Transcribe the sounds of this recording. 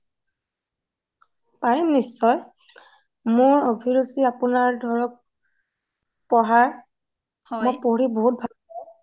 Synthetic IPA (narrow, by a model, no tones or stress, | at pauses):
paɹimnisːɔj | moɹobʱiɹusiapʊnaɹdʱɔɹɔk̚ | pɔɦaɹ | mɔpoɹiboɦut̚bʱal